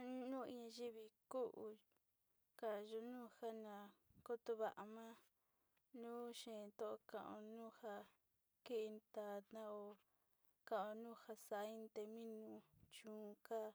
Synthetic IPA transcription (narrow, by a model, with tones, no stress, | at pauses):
nũ˦i˧ɲã˧ʒi˦βi˧ku˦ʔu˧ | ka˧˨ʒo˧nũː˦˧ha˦nã˨ko˦t̪o˧βa˧ʔa˧mã˦ | nũː˦ʃẽ˨˧t̪o˦˧o˧kã˧˨ʔõ̰˧nũ˦ha˧ | ki˦˧nt̪a˨t̪ã˦o˧˨ | kã˨ʔõ˧nũː˦ha˧sa˨˦ĩ˦nt̪e˧mĩ˦nũ˧t͡ʃũː˨˦ka˦˨